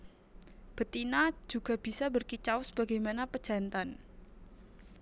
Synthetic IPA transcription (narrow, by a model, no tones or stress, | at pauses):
b̥ət̪inad͡ʒuɡ̥a̤b̥isabərkit͡ʃawsb̥a̤ɡajmanapə̥d͡ʒ̥a̤nt̪an